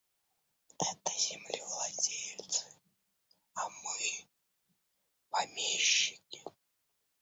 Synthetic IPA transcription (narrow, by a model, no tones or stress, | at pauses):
ɛt̪əzʲɛmlʲivlˠad͡zʲejt̪sɨ | amɨ | pamʲeɕːikʲɪ